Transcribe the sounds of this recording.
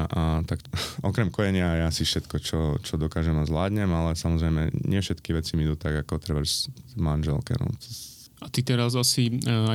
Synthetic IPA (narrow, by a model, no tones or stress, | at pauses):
ʔat̪akʔɔkɾɛmkɔjɛɲɪajɛasifʃɛt̪kɔt͡ʃɔt͡ʃɔd̪ɔkaːʒɛmazʋlaːd̪ɲɛmalɛsamɔzɾɛɪmɛ̰ɲɪɛfʃɛt̪kiʋɛt͡simid̪uːt̪aɡakɔt̪ɾɛba | manʒɛ̰lkɛ̰nɔ̰ɛ | at̪it̪ɛɾazasia